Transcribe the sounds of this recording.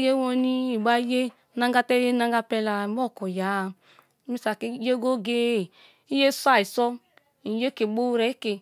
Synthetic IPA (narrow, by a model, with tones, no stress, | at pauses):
je˦wo˦ni˦i˨ɡ͡ba˦je˦ | na˦ŋɡa˦tɛ˦je˦na˦ŋ˦ɡa˦pɛ˦la˨˦m˦ɔ˦˨ko˨ja˨˦˨ | mi˦sa˨ke˦je˦ɡo˦ɡe˦˨ | i˦je˦sʷa˦i˨sɔ˦ | i˨je˦ke˨ɡ͡bo˦ɾɛ˨˦ke˨